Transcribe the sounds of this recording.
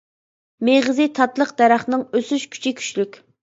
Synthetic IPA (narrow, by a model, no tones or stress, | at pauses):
meʁəzit̪ʰɑt̪lˠəqd̪æɾæχnɨŋøsyʃkʲʰy̥t͡ʃʰɪkʲʰy̥t͡ʃlykʲ